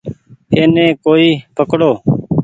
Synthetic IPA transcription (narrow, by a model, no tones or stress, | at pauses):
eːnẽːkoːiːpʰəkɽoː